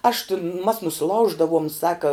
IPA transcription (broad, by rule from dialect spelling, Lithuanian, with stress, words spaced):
ɐʃ tʲɪn mɐs nʊsʲɪˈlˠɐʊʒdɐʋʊm ˈsɑːkɐ